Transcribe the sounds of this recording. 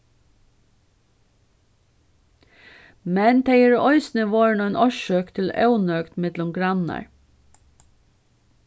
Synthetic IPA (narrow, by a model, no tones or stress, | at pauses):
mɛnt̪ʰeɪəɹɔʏsnəʋɑːɹɳoːɛnʔɔʃøːkt̪ʰɪl̩ɑ̰ʉnøːkt̪mɪd̪lʊmɡɹɑnə̰ɹ